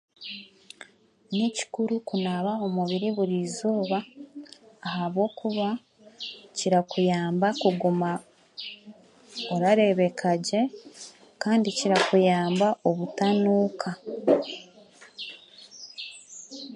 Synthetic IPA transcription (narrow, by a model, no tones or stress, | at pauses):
nici̥kuɾukunaβao̞muβiɾiβuɾizoːβaː | haβwo̞ːkuβa | ciɾakujaːmbakuɡuma | oɾaɾe̞βe̞kʰaɟe̞ | kaːndiciɾakujaːmbaʔo̞βutanuːkʰa